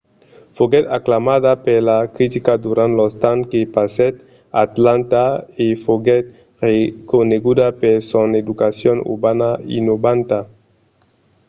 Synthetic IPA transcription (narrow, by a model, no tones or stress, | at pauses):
foɡɛt̪aklamaðapeɾlakɾit̪ikad̪uɾant̪lɔst̪ankepasɛt̪ | at̪lant̪aefoɡɛt̪̚ | rekoneɡud̪apeɾsoned̪ukasjonṵɾbanaḭnobant̪a